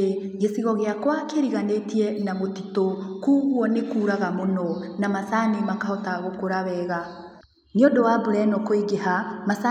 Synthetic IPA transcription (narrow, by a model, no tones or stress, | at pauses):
ɣesiɣɔɣeakwakeɾiɣanetiɛnamotitokuːɣwɔnekuːɾaɣamonɔnamasanimakahɔtaɣokoɾaβɛːɣa | neodɔwabuɾɛnɔkoiɡeɦamasa